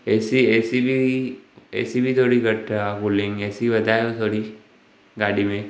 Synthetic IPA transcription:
esieːsibʱi | ḛːsibʱit̪ʰoːɽiɡəʈapulɪŋɡeːsiʋəd̪ʱajot̪ʰoːɽi | ɡaːɽimẽ

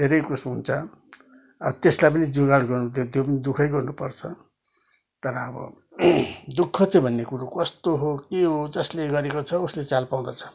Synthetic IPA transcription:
d̪ʱeɾʌjkusɦunt͡sʰʌ | ʌbʌt̪eslajpʌnid͡zuɡaɽɡʌrnud̪t̪jopʌnid̪ukʰʌjɡʌrnupʌrt͡sʰʌ | t̪ʌɾʌːbʌ̰ | d̪ukʰːʌt͡sʌbʱʌnːekuɾukʌst̪oɦokeɦod͡zʌsleɡʌɾekot͡sʰʌuslet͡salpaw̃d̪ʌt͡sʰʌ̥

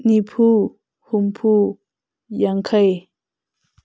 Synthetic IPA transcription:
nipʰu | humpʰu | jaŋkʰaj

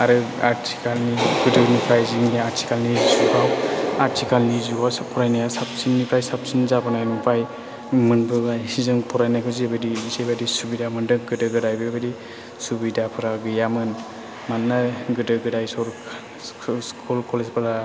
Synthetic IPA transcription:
aɾɯaɾtʰi̥kalniɡɯdɯnupʰajziŋniaɾtʰi̥kalnizukʰawaɾtʰikalnizukawspʰɔɾajnajasap̚sinːipʰɾajsap̚sinzabanajnupʰaj | mɯnbɯɡajsizɯŋpʰɔɾajnajkʰɯzibɯdizebadisubidamɯndɯɡɯdɯɡɯdajbɯbadi | subidapʰɯɾaɡɯjamɯn | manːaɡɯdɯɡɯdajsɔɾ | skʰulkʰɔlezpɯɾa

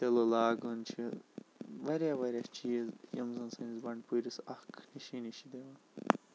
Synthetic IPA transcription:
t̪elolaːɡunt͡ʃʰi | ʋɐɾʲjaʋɐɾʲjat͡ʃiːzjɐ̰mzɐnsɐnizbɐɳɖpuɾisɐhkʰniʃiniʃid̪eʋɐn

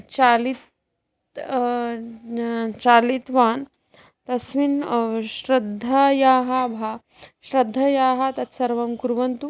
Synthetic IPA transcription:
t͡ʃalit̪ | t͡ʃaːlit̪ʋaːn | t̪ɐsʋinɕɾɐd̪ʱːɐjaːɦɐbʱaː | ʃɾɐd̪ʱːɐjaːɦɐt̪ɐt̪sɐɾʋɐmkuɾʋɐnt̪u

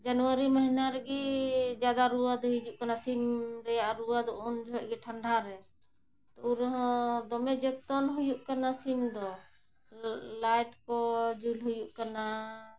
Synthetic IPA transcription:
d͡ʒanuaɾiməɦinaɾɛɡid͡ʒad̪aɾuwad̪ɔɦid͡ʒuʔkanasimɾɛjaʔɾuwad̪ɔɔnd͡ʒʱɛʔ̚ɡɛʈʰəɳɖʱaɾɛ | t̪ɔuɾɔɦɔ̃d̪ɔmɛd͡ʒɛk̚t̪ɔnɦujuʔkanasimd̪ɔ | lajʈkɔd͡ʒulɦujuʔkana

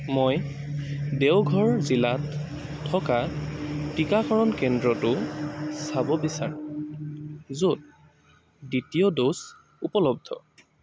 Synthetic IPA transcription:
moj | dewɡʱɔɹɔzilat | tʰːɔkatikakʰɔɹɔnkɛndɹɔtʊsabɔbisaɹʊ̃ | zud̚ | ditijɔdos | upɔlɔb̚dʱɔ̰

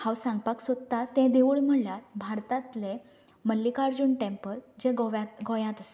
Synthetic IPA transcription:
hawsãŋɡ̚paksod̪t̪ːat̪ːɛ̃d̪eʋuɭm̤əɳlaɾbʱaɾt̪ãt̪le | məlːikaɾd͡ʑuːɳʈẽmpəld͡ʑɛ̃ɡaɡɔjãt̪əse̥

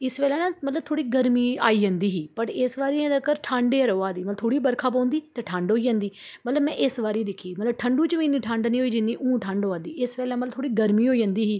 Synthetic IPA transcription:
ɪsʋeːlãːnãːmət̪ləb̚t̪ʰoːɽiːɡəɾmiːa̰ːiːd͡ʒə̃ːnd̪iːɦiːpəɾɪsʋaːɾiːẽːd̪əkəɾʈʰãːɳɖeːəɾoːãːd̪iːət̪əb̚t̪ʰoːɽiːbəɾkʰaːp̬ãːnd̪iːt̪aːʈʰãːɳɖɦoːiːd͡ʒãːnd̪iː | mət̪ləbmɛ̃ːʔɪsʋaːɾiːd̪ɪkʰiːmət̪ləb̚ʈʰəɳɖũːt͡ʃʋiːnːiːʈʰãːɳɖnĩːɦoːiːd͡ʒɪnːĩːʔũːʈʰãːɳɖɦoːãːnd̪iːʔɪsʋɛːlãːmət̪lət̪ʰoːɽiːɡəɾmĩːɦoːiːd͡ʒə̃nd̪iːɦiː

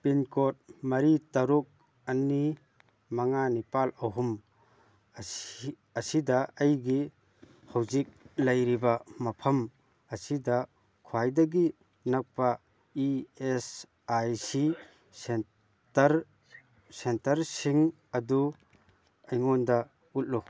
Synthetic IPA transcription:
pinkot̚mɐɾitɐɾuk̚ | ɐni | mɐŋanipalɐɦum | ɐsidɐɐjɡi | hɐwzik̚lɐjɾibɐmɐpʰɐm | ɐsidɐ | kʰuajdɐɡi | nɐk̚pɐ | ies | ajsi | ɾ | sentɐɾsiŋ | ɐdu | ɐjŋondɐ | ut̚lu

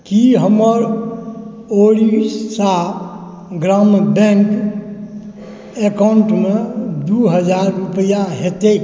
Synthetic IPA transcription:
kiɦəməɾ | oɽissa | ɡɾambɛ̃ŋk | ekaʊɳʈmed̪uɦəd͡ʒaɾːupəjaɦet̪e

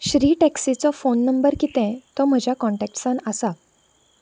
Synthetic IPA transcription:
ɕɾiːʈɛksit͡sɔfonːəmbəɾkiːt̪ɛ̃t̪ɔm̤əd͡ʑʱjakɔ̃ɳʈɛk̚ʈsãnəsa

